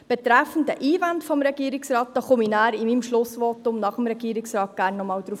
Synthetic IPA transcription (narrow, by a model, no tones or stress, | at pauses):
b̥ɛt̪ɾæfən̩dəʔiːvantfɔmɾɛɡ̥iːɾɪksrɑːt̚d̥ɑχʊminæːɾimiːmʃlʊsʋɔtʊmnɑχəmɾɛɡ̥iːɾɪksrɑːt̚ɡ̥æːɾnːɔmɑːwd̪ɾuːf